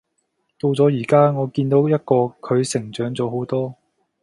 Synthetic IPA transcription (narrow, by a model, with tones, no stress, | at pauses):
t̪o˧wt͡sɔː˨˥jiː˨˩kaː˥ŋɔː˨˧kiː˧nt̪o˨˥wjɐ˥t̚kɔː˧kʰɵ˨˧ɥsɪ˨˩ŋt͡sœː˨˥ŋt͡sɔː˨˧ɦo˨˥wt̪ɔː˥